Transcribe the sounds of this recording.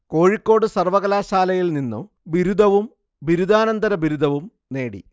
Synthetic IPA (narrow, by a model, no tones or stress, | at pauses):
ko̞ːɻikːo̞ːɽɨsɐrʋɐɣɐlaːɕaːlɐjilninːu | biɾud̪ʱɐʋum | biɾud̪aːnɐnd̪ɐɾɐbiɾud̪ʱɐʋum | ne̞ːɽḭ